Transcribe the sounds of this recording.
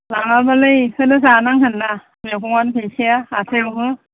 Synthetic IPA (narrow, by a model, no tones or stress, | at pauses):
laŋabalɯjhɯnɯsanaŋɦɯnːa | mekʰuŋanpʰesiaatʰewɦɯ